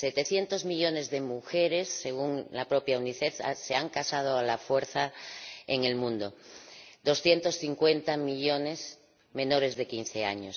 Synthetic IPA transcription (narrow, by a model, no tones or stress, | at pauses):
set̪eθje̞nt̪o̞zmiʎo̞ne̞zðe̞muxeɾe̞sːe̞ɣ̞uŋlapɾo̞pjauniθeθa̰seaŋkasað̞oalafwe̞ɾθaeŋe̞lmũnd̪o̞d̪o̞sθje̞nt̪o̞sθiŋkwe̞nt̪amiʎo̞ne̞s | mẽ̞no̞ɾe̞zðe̞kin̟θe̞a̰ɲo̞s